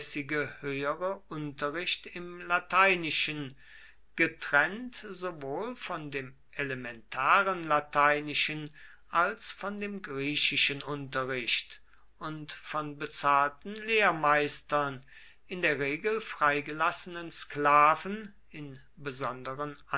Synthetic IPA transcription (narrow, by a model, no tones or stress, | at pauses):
sɪɡəhøːəʁəʔʊntɐʁɪʃtɪmlatʰaɪnɪʃən | ɡ̥ətʁ̥ɛntz̥ovoːlfɔndeːm | elemɛntʰaːʁənlatʰaɪnɪʃən | ʔalsfɔndeːmɡʁiːʃɪʃənʔʊntɐʁɪʃt | ʔʊntfɔnbət͡saːltn̩leːɐmaɪstɐn | ʔɪndeːɐʁeːɡl̩fʁ̥aɪɡəlasənənsklaːvn̩ | ɪn | bəzɔndəʁəna